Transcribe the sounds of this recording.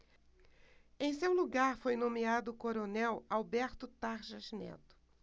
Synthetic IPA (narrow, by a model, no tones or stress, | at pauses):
ẽj̃sewluɡaɾfojnõmiad̪ʊkoɾonɛwawbɛɾt̪ʊt̪aɾʒɐznɛ̰t̪ʊ̥